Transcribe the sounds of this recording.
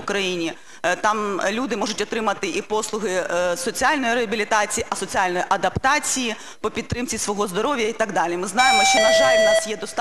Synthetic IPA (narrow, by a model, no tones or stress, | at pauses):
ʊkɾɐjinʲi | t̪ɑmlʲud̪ɪmɔʐʊtʲɔt̪ɾɪmɐt̪ɪʔipɔslˠʊɦɪsɔt͡sʲialʲnɔjiɾeɐbʲilʲit̪ɑt͡sʲijiʔɐsɔt͡sʲialʲnɔjiʔɐd̪ɐpt̪ɑt͡sʲiji | pɔpʲidt̪t̪ːɾɪmt͡sʲisʋɔɦɔzd̪ɔɾɔʋʲjɐit̪aɡd̪ɑlʲimɪznɑjemɔʃʲt͡ʃɔnɐʒɑlʲnɑsjɛd̪ɔst̪